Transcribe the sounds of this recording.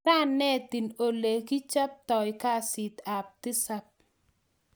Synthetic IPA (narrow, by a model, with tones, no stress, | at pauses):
a˦nːɛ˦˨t̪ɪ˨no˨le˨ki˦t͡ʃa˦p̚t̪ɔ˨jka˦sɪ˨t̪a˨p̚t̪ɪ˦sa˦p̚